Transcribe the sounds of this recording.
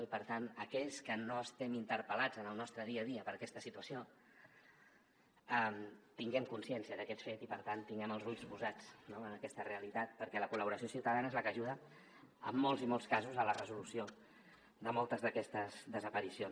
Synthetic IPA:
ipəɾt̪anəkɛʎskənoəst̪ɛmint̪əɾpəlad͡zənəlˠnɔst̪ɾəðiəðiəpəɾəkɛst̪əsit̪uəsio | ɛmt̪iŋɡɛmkunsiɛnsiəðəkɛt̪fet̪ipəɾt̪ant̪ːiŋɡɛməlˠzuʎzβuzat͡snoənəkɛst̪əreəlit̪at̪̚pəɾkɛləkuləβuɾəsijosiwt̪əðanəezləkəʒuðə | ə̰mːolˠzimolˠskazuzələrəzulusio | d̪əmolˠt̪əzðəkɛst̪əzðəzəpəɾision

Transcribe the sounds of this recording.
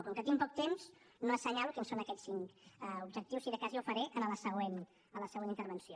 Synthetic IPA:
p̪uŋkət̪iŋpɔk̚t̪emz̥ | noəsəɲalukinsonəkɛssiŋkɛubʒək̚t̪iwsiðəkaziuwfəɾeʔənələsəɣwen | ələsəɣenint̪əɾβənsio

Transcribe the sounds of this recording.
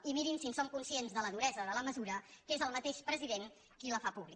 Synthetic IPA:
imiɾinsinsomkunsienzðələðuɾɛzəðələməzuɾəkezəlˠmət̪eʃpɾəziðeŋ | kiləfapuβli

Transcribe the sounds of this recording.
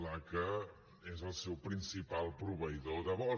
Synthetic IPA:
lakə | ezəlˠsɛwpɾinsipalˠpɾuβəjðoðəβɔ

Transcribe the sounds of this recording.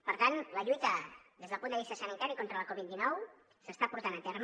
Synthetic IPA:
pəɾt̪anləʎujt̪əðezð̞əlˠpund̪əβist̪əsənit̪aɾikɔnt̪ɾələkɔβit̪̚d̪inɔw | səst̪apuɾt̪anət̪ɛɾm

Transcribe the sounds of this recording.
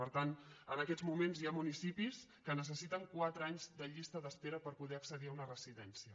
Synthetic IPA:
əɾt̪anənəkɛd͡zmumenzjamunisipiskənəs̬əsit̪əŋkwat̪ɾəaɲzd̪əʎist̪əðəspɛɾəpəɾpuðɛəksəðiəunərəziðɛnsiə

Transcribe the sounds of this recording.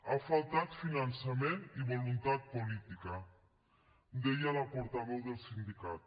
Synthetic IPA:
afalˠt̪at̪finansameniβolunt̪at̪̚polit̪ika | d̪ejalapoɾt̪aβowðelˠsind̪ikat̪

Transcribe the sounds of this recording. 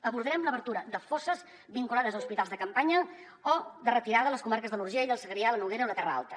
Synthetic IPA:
əβuɾðɾɛmləβəɾt̪uɾəðəfosəz | βiŋkulaðəzəuspit̪alˠzðəkəmpaɲə | ɔðərət̪iɾaðələskumaɾkəzðəluɾʒiəiðəlˠsəɣɾialənuɣeɾəonət̪ɛrəa̰lˠt̪ə

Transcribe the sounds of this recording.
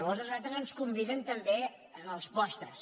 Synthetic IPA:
βozəzat̪ɾəzənskumbiðənt̪əmbe | əəlˠspɔst̪ɾəs

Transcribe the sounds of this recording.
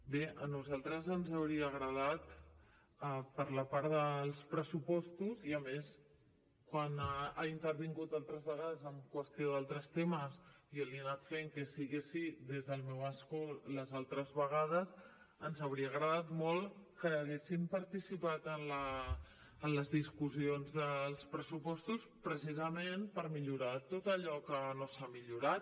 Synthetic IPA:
beənuzalˠt̪ɾəzənzəwɾiəːɣɾəð̞at̪ | əpəɾləpaɾðəlˠspɾəsupɔst̪uziəmes | kwanaint̪əɾβiŋɡut̪alˠt̪ɾəzβəɣaðəzəmkwəst̪ioðalˠt̪ɾəst̪eməsioliənat̪feŋkəsiɣesiðezðəlˠmɛwəskoləzalˠt̪ɾəzβəɣ̞að̞əs | ənzəwɾiəɣɾəðat̪mɔlˠkəːɣesimpəɾt̪isipat̪ənləː | nləzðiskuzionzðəlˠspɾəsupɔst̪uspɾəs̬izəmenpəɾmiʎuɾat̪ot̪əʎɔkənosamiʎuɾat̪

